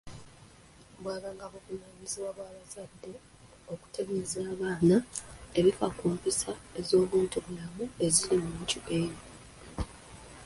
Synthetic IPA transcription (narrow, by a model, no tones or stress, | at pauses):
bwaːβaŋɡaβokunaːɲiziβwaβwaːβazadːe̞ | o̞ku̥tʰe̞ɡe̞zaːβaːnae̞βifakuːmpisaezo̞ːβuːntuβulamue̞zilimuːɲcuʔe̞ːɾo